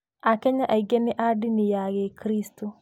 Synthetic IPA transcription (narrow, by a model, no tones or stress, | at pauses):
akɛɲaʔaiɡenɛʔadinijaɡekɾistu